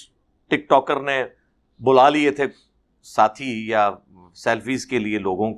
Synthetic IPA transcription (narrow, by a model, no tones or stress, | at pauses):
ʈɪk̚ʈɔːkəɾne | bʊlaːliet̪ʰe | saːt̪ʰija | sɛːlfiːzkelieloːɡõk